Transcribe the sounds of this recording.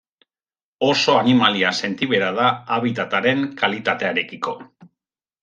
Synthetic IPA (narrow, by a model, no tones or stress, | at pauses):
o̞so̞animaliase̞nt̪iβe̞ɾaðaːβit̪at̪aɾe̞ŋkalit̪at̪e̞aeɾe̞kiko̞